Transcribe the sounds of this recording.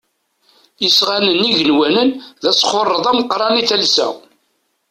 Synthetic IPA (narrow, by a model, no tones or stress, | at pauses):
əsʁanənːiʝənwænənðæsχorˤːəðˤæməqɾˤɑniθælsæ̰